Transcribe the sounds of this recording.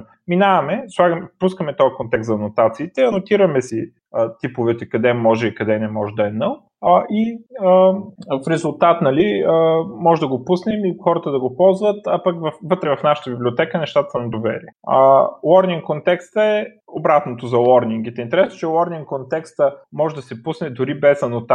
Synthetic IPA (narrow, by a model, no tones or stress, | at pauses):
minavɐmɛslˠaɡmpuskəmɛt̪ɔɐkont̪ɛkst̪zɐnot̪at̪siːt̪ɛɐnot̪iɾəmɛsi | ət̪ipovɛt̪ɛkɐd̪ɛmɔʒɛikɐd̪ɛnɛmɔʒɛd̪ɐɛnəlˠ | əʔiəfɾɛzulˠt̪at̪nɐliəmɔʒɛd̪ɐɡopusnɛmixɔɾət̪əd̪ɐɡopɔlˠzvət̪ɐpɐkvɐfvɤt̪ɾɛvɐfnaʃə̥t̪əbibliot̪ɛkənɛʃt̪at̪əsɐmd̪ovɛ̰ɾiəə̰lˠɔɾniŋkkːont̪ɛkst̪əɛ | obɾat̪not̪ozɐlˠɔɾniŋɡit̪int̪ɛɾɛsno̥t͡ʃɛlˠɔɾniŋkkːont̪ɛkst̪əmɔʒɛd̪ɐsɛpusnɛd̪ʊɾibɛzɐnot̪a